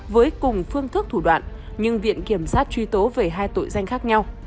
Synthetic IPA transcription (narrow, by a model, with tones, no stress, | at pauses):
vəː˨˦jkʊ˨˩ŋ͡mfɨ˧əŋt̪ʰɨ˦˥k̚t̪ʰu˧˩ɗwa̰ː˧˨nʔ | ɲɨ˧ŋvḭ˧˨ənki˧˩əmsaː˦˥t̚t͡ɕwi˧t̪o˨˦ve˨˩ɦaː˧jt̪o̰˧˨jza˧jŋ̟xaː˦˥k̚ɲa˧w